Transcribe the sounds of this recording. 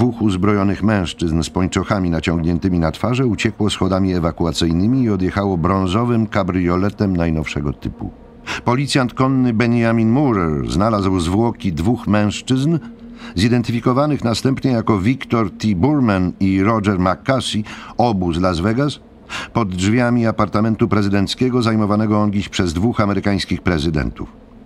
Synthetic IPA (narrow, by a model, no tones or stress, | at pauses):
vuxuzbɾɔjɔnɘxmɛ̃w̃ʂt͡ʂɘznspɔɲt͡ʂɔxamʲinat͡ɕɔ̃ŋɡɲɛnt̪ɘmʲinat̪faʐɛut͡ɕɛkwɔsxɔd̪amʲiɛvakuat̪sɘjnɘmʲiːɔd̪jɛxawɔbɾɔ̃ñzɔvɘmkabɾɘjɔlɛt̪ɛmnajnɔfʂɛɡɔt̪ɘpṵ | pɔlʲit̪sʲjant̪kɔnːɘbɛɲjamʲinmuɾɛɾznalazwzvwɔkʲid̪vuxmɛ̃w̃ʂt͡ʂɘznzid̪ɛnt̪ɘfʲikɔvanɘxnast̪ɛmpɲɛjakɔvʲikt̪ɔɾt̪ʲibuɾmaniɾɔd͡ʒɛɾmakːasiɔbuzlazvɛɡas | pɔd̪d͡ʐvʲjamʲiapaɾt̪amɛnt̪upɾɛzɘd̪ɛnt̪skʲɛɡɔzajmɔvanɛɡɔɔnɡʲiɕpʂɛzd̪vuxamɛɾɘkaj̃skʲixpɾɛzɘd̪ɛ̰nt̪ṵf